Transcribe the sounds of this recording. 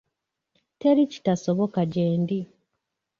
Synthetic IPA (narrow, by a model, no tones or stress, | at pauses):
teɾici̥tasoβo̞kaɟeːndi